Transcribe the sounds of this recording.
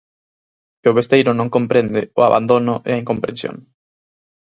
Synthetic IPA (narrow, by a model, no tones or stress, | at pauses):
eʊβest̪ejɾʊnõŋkompɾend̪ɪʊ̰a̰βa̰nd̪onʊʔɪ̰aiŋkõmpɾẽnsjo̰ŋ